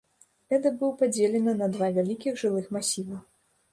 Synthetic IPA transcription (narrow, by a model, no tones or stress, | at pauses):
ɛd̪ɐbɨwpad͡zʲelʲɛnɨnɐd̪vavʲalʲikʲixʐɨlˠɨxmasʲivɐ